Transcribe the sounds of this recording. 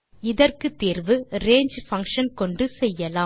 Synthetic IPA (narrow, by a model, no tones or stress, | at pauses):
ɪðɐrkɯt̪ːiːrʋɯɾeːɲd͡ʒfɐŋkʂɐnkɔɳɖɯsɛjːɐlaː